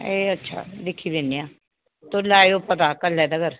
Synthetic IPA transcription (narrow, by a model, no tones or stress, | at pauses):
eːətːʃʰa̰ːlɪkʰːiːbeːneãː | t̪oːlaːjopət̪aːkəlːɛːd̪aɡəɾ